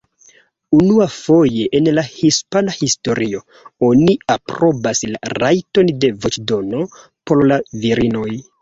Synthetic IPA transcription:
unuafo̞je̞ʔenlahispanahisto̞ɾʔio̞ | o̞niapɾo̞basla̰ɾajto̞nde̞vot͡ʃdo̞no̞ | po̞ɾlaviɾino̞j

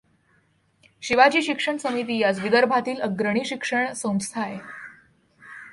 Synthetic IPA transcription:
ɕiʋad͡ʑiːɕikʂəɳsəmit̪iːjad͡zʋid̪əɾbʱat̪iːləɡɾəɳ̃iːɕikʂəɳsə̃w̃t͡st̪ʰae

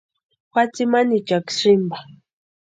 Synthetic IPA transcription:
xwat͡simanit͡ʃaksimba

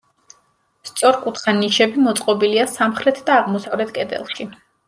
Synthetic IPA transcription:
st̪sʼɔɾkʼut̪ʰχaniʃɛbimɔt̪sʼqʼɔbiliasamχɾɛt̪ʰd̪aːʁmɔsavlɛt̪ʰkʼɛd̪ɛ̰lˠʃi

